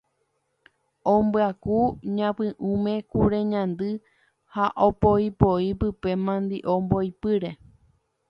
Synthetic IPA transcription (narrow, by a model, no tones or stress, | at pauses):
õmbɨakuɲãpɨ̃ʔũmẽ̞kuɾeɲãnd̪ɨ | haʔopoipoipɨpe̞mãnd̪iʔombo̞jpɨɾe̞